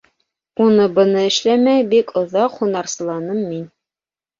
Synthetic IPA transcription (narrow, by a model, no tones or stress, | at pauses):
unɤbɤ̆nɤɘ̆ʃlæmæjbikʰŏðɑqχunɑɾsɤ̆lˠɑnɤmːin